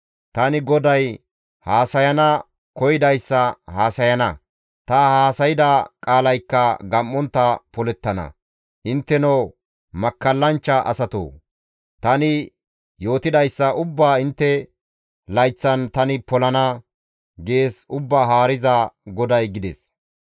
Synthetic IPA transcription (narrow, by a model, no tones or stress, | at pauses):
t̪ɐnɪɡɔd̪ɐj | haːsɐjɐnɐ | kɔjɪd̪ɐjsːɐhaːsɐjɐnɐ | t̪ɐhaːsɐjɪd̪ɐkʼaːlɐjkːɐɡɐmːɔnt̪ːɐpɔlɛt̪ːɐnɐ̰ | ʔɪnt̪ːɛno | mɐkːɐlːɐnt͡ʃːɐʔɐ̰sɐt̪o̰ː | t̪ɐnɪ | jo̞ːt̪ɪd̪ɐjsːɐʔʊbːaːɪnt̪ːɛ | lɐjt͡sːɐnt̪ɐnɪpɔlɐnɐ | ɡe̞ːsʊbːaːɦaːɾɪzɐɡɔd̪ɐjɡɪd̪ɛs